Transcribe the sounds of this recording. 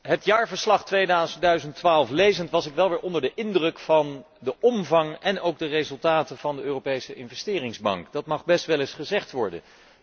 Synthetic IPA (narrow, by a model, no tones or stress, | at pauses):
ɦətjaːɹvəɹslɑχtʋejdazəndœɥzəntʋaːlˠflejzəntʋɑsɪkʋɛlˠʋɪːɹʔɔndəɹdəʔɪndrɵkfɑn | dəʔɔmvɑŋɛnowɡ̚dərezɵlˠtaːtəv̥ɑndəøːrowpejsəɪnvɛstɪːrɪŋzbɑ̰ŋkd̥ɑtmɑχbɛstʋɛlɪsχəzɛχtʋɔɹdə̰n